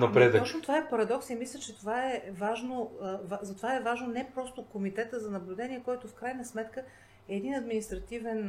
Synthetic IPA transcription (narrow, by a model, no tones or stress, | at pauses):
nɐpɾɛd̪əɔt͡ʃnot̪ovaɛpɐɾɐd̪ɔksimislʲət͡ʃɛt̪ovaɛvaʒnovazɐt̪ovaɛvaʒnonɛpɾɔst̪okomit̪ɛt̪əzɐnɐblʲʊd̪ɛnʲiɛkɔjt̪ʊfkɾajnəsmɛt̪kə | ɛːd̪inɐd̪minist̪ɾɐt̪ivɛn